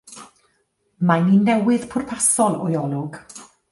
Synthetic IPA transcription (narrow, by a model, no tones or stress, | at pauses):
maninːɛwɪð̥pʰʊrpʰasɔlˠɔ̰jɔlˠʊɡ̥